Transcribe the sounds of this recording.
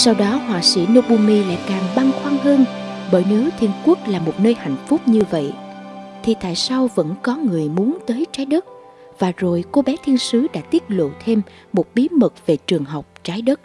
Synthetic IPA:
sa˧wɗɔ˨˦ɦwaː˨˩sḭ˧˩no˧ɓu˧mi˧la̰ː˧˨jkaː˨˩ŋɓa˧ŋxwaː˧ŋɦəː˧nɓəː˧˩jne˨˦wt̪ʰi˧ənku˦˥ək̚laː˨˩mo˨˩t̚nəː˧jha̰˧˨jŋ̟fʊ˦˥p̚ɲɨ˧və̰˧˨jt̪ʰi˨˩t̪a̰ː˧˨jsa˧wvə̰˧˥nkɔ˨˦ŋɨ˨˩əjmu˨˦ənt̪əː˨˦jt͡ɕaː˨˦jɗə˦˥t̚ | vaː˨˩zo˨˩jko˧ɓɛ˨˦t̪ʰi˧ənsɨ˨˦ɗa̰ː˧˥t̪i˦˥ət̚lo̰˧˨t̪ʰe˧mː | o˨˩t̚ɓi˨˦mə˨˩k̚ve˨˩t͡ɕɨ˨˩əŋɦə˨˩wk͡p̚t͡ɕaː˨˦jɗə˦˥t̚

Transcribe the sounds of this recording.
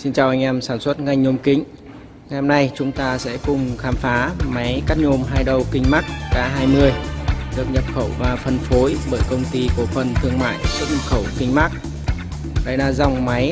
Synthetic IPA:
si˧nt͡ɕaː˨˩wʔa˧ŋ̟ʔɛ˧msaː˧˩nswə˦˥t̚ŋa˧jŋ̟ɲo˧mkï˨˦ŋ̟ | ŋa˨˩jʔha˧mna˨˧jt͡ɕʊ˨˦ŋ͡mt̪aː˧sɛ̰˧˥kʊ˨˩ŋ͡mxaː˨˦mfaː˨˦ma˨˦jka˦˥t̚ɲo˧mɦaː˧jɗə˨˩wkï˧ŋ̟ma˦˥k̚ːaː˨˦ɦaː˧jmɨ˧əjɗɨ˨˩ək̚ɲə˨˩p̚xə˧˩wvaː˨˩fə˨˩nfo˨˦jɓəː˧˩jkə˧wŋ͡mt̪i˧ko˧˩fə˨˩nt̪ʰɨ˧əŋma̰ː˧˨jsɨ˦˥t̚ɲə˨˩p̚xə˧˩wkï˧ŋ̟ma˦˥k̚ | ɗə˨˦jlaː˧˩za˨˩wŋ͡mma˨˦j

